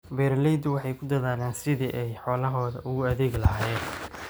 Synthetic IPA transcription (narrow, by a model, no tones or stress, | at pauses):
bɛːrlɛjd̪ʊwɑħɑjkʰʊd̪ɐðaːlɛːnsɪðiʔɛjħɔːlɐɦɔːðɐʔʊɣʊɐðɛːɣlɐɦaːjɛːn